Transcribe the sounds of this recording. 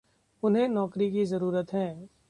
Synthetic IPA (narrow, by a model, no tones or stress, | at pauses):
ʊnɦẽnɔːkɾikizɐɾuːɾət̪ɦɛ̃ː